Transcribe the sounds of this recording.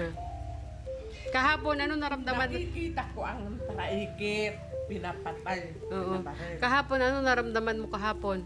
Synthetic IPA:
kɐɦaːponɐnonɐɾɐmd̪amanikit̪akoaŋənt̪aɾaikɪ | pinapat̪̚an | ʔoːʔoakɐɦaːponɐnonɐɾɐmd̪amanmokɐɦaːpon

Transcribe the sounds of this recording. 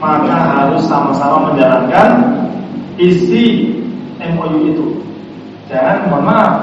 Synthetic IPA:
makaɦaɾʊsːamasamaməɲd͡ʒalankan | ist̪i | ɛmojuit̪u | d͡ʒaŋanbəma

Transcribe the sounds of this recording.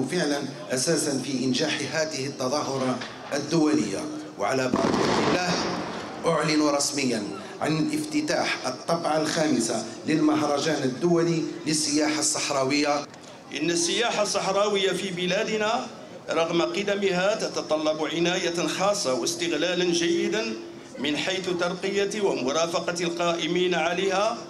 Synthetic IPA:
fəʕlən | ʔæsæːsənfiʔənʒaːħɦæːt̪əhət̪ːɑd̪ˤɑɦʊɾˤɑ | ʔəd̪ːʊwæləjːa̰ | wʕa̰læbɑ̰ʕd̪ˤəlːæːh | ʔʊʕlənuɾˤɑsməjːæn | ʕa̰nəlʔəft̪ət̪aħʔət̪ˤːɑbʕalxæməsaləlməɦɾˤɑʒænəd̪ːʊwæliləsːəjaːħasˤːɑħɾˤɑwəjːa | ʔənːəsːəjaħasˤːɑħɾˤɑwəjːafibɪlæd̪na | ɾˤɑɣmaqəd̪æmɪɦat̪ɑt̪ɑt̪ˤɑlːɑbʕɪnæjaxɑːsˤːɑwəst̪əɣlælənʒæjːɪd̪an | mənħijt̪t̪ɑɾˤqəjawamʊɾˤɑːfɑqɑtlqɑːʔɪmiːnʕaləhæ

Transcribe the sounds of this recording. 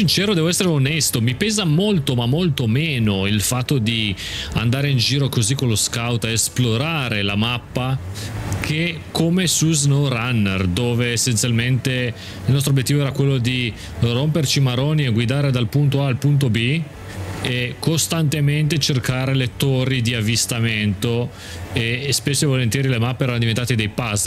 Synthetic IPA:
sint͡ʃɛːɾod̪ɛːvoɛsːeɾeonɛst̪omipɛːzamolt̪omamːolt̪omeːnoilfat̪ːod̪i | a̰nd̪aːɾeind͡ʒiːɾokozikːolːoskawt̪eːsploɾaːɾelamapːa | kʰe | kʰomesuznoranːḛrd̪oːveːsːent̪sjalment̪e | ilnɔs̬t̪ɾobjet̪ːivoɛːɾakwelːod̪i | rompert͡ʃimaɾoːnieɡwid̪aːɾed̪alpunt̪oalpunt̪̬obi | ekost̪ant̪ement̪et͡ʃerkaːɾelet̪oɾid̪iavːist̪ament̪o | espesːoivolent̪jɛːɾilemapːeɛːɾanod̪ivent̪aːt̪ed̪ejpas

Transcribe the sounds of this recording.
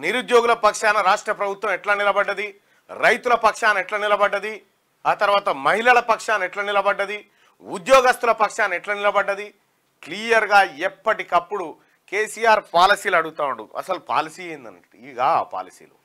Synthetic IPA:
niɾud̪joːɡulɐpɐkʂaːnɐɾaːʂʈɾɐpɾɐbʱut̪ʋɐ̃mɛʈlaːnilɐbɐɖːɐd̪i | ɾɐjt̪ulɐpɐkʂaːnɛʈlaːnilɐbɐɖːɐd̪i | aːt̪ɐɾʋaːt̪ɐmɐɦilɐlɐpɐkʂaːnɛʈlaːnilɐbɐɖːɐd̪i | ud̪jɔːɡɐst̪ulɐpɐkʂaːnɛʈlaːnilɐbɐɖːɐd̪i | kliːjɐɾɡaːepːɐʈikɐpːuɽu | keːsijaːɾpaːlisiːlɐɽuɡut̪aːuɳɖuɐ̰sɐlupa̰ːlisiːɐind̪ɐ̰nɐiiɡa̰ːpa̰ːlisḭːlṵ

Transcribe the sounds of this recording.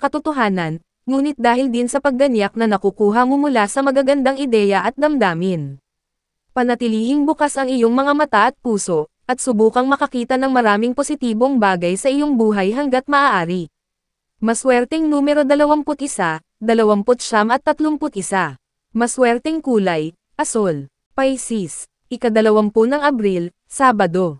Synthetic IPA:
kɐt̪ʊt̪oɦaːnɐn | ŋuːnɪt̪̚d̪aːhɪld̪ɪnsɐpɐɡ̚ːɐnjak̚nɐnɐkukuːɦɐmʊmʊlasɐmɐɡaɡɐnd̪aŋɪd̪ɛːjɐʔɐt̪̚d̪ɐmd̪aːmɪn | pɐnɐt̪ɪliːhɪŋbʊkasʔɐŋɪjo̞ŋmɐŋamɐt̪aʔɐt̪̚puːso̞ʔ | ʔɐt̪̚sʊbuːkɐŋmɐkɐkiːt̪ɐnɐŋmɐɾaːmɪŋposɪt̪iːbo̞ŋbaːɡɐjsɐʔɪjo̞ŋbuːɦɐjɦɐŋɡat̪̚mɐʔaːʔaːɾɪ | mɐswɛɾt̪ɛŋnuːmɛɾod̪ɐlɐwaŋpʊt̪ʔɪsa | d̪ɐlɐwaŋpʊt̪̚ʃamʔɐt̪ːɐt̪loŋpʊt̪ʔɪsa | mɐswɛɾt̪ɛŋkuːlɐj | ʔɐsol | pajsis | ʔɪkɐd̪ɐlɐwampʊnɐŋɐbɾil | saːbɐd̪o̞

